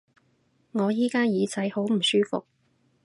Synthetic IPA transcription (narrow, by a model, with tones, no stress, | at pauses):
ŋɔː˨˧jiː˥kaː˥jiː˨˧t͡sʰɐ˨˥jho˨˥wm̩˨˩syː˥fʊ̰˨k̚